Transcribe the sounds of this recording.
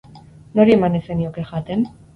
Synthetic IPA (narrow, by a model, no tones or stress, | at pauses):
no̞ɾiemanese̞niokexat̪e̞n